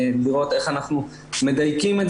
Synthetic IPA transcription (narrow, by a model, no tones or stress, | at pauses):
liʁo̞t̪e̞χanaχnu | me̞d̪ajkimet